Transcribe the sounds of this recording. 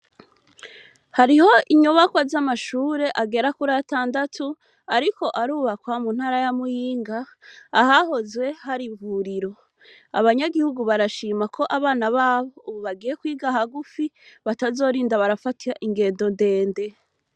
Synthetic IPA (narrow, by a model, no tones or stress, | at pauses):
haɾiho̞ʔiɲuβakwazamaʃuːɾe̞ʔaɡe̞ɾakuɾataːndatʰu | aɾiko̞ʔaɾuːβakwamun̥haːɾajamujiːŋɡaːhaho̞zwe̞haɾiɱvuɾiɾo̞ | a̰βaɲaɡihuɡuβaɾaʃiːmakʰo̞ʔaβaːnaβaːβo̞uβuβaɡiːje̞kwiːɡahaɡufiβatazo̞ːɾiːndaβaɾafatiaʔiŋɡe̞ːndo̞nde̞ːnde̞